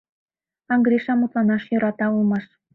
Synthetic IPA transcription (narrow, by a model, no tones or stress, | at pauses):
ɑŋɡɾʲiʃɑmut̪lˠɑnɑʃjøɾɑt̪ɑulˠmɑʃ